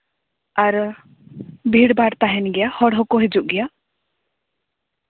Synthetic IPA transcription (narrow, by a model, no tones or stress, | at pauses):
aɾ | bʱiɽbaɽt̪aɦɛnɡɛjahɔɽɦɔkoɦed͡ʒuʔɡɛja